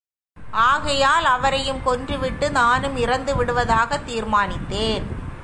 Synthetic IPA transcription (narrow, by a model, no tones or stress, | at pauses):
aːɣɐjaːlɐʋɐɾɐjɯmkɔndrɯʋɪʈːɯnaːnɯmɪɾɐnd̪ɯʋɪɽɯʋɐðaːɣɐt̪ːiːɾmaːnɪt̪ːeːn